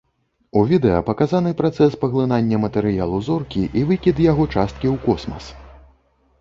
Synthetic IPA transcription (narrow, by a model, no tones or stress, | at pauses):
uvʲid̪ɛjɐ̰pɐkazanɨpɾat̪sɛspɐɣlˠɨnanʲːɐmɐt̪ɛɾɨjalˠuzɔrkʲiʔivɨkʲid̪jaɣɔt͡ʂast̪̚kʲiwkɔsmɐ̰s